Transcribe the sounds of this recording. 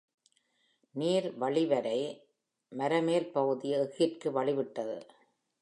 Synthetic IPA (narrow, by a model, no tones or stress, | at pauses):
niːɾʋɐɭɪʋɐɾɐɪ | mɐɾɐmeːlpɐɣɯðɪjɐɪɣɪpkɯʋɐɭɪʋɪʈːɐðɯ̰